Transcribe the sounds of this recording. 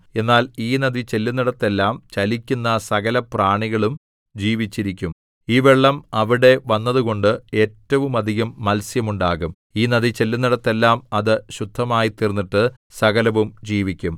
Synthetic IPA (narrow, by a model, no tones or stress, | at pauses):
e̞nːaːliːnɐðit͡ɕe̞lːunːiɽɐt̪ːe̞lːaːmt͡ɕɐlikʲːunːɐsɐɣɐlɐpraːɳiɣɐɭum | d͡ʑiːʋit͡ɕːiɾikʲːum | iːʋeɭːɐmɐʋiɽe̞ʋɐnːɐðuɣo̞ɳɖɨe̞ːtːɐʋumɐd̪ʱiɣɐmːɐlsjɐmuɳɖaːɣum | iːnɐðit͡ɕe̞lːunːiɽɐt̪ːe̞lːaːmɐðɨɕud̪ʱːɐmaːjit̪ːirnːiʈːɨ | sɐɣɐlɐʋumd͡ʑiːʋikʲːum